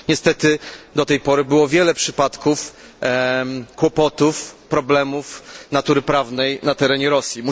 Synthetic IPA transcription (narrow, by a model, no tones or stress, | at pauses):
ɲɛst̪ɛt̪ɘd̪ɔt̪ɛjpɔɾɘbɘwɔvʲjɛlɛpʂɘpat̪kuf | kwɔpɔt̪ufpɾɔblɛmufnat̪uɾɘpɾavnɛjnat̪ɛɾɛɲɛɾɔsʲjimu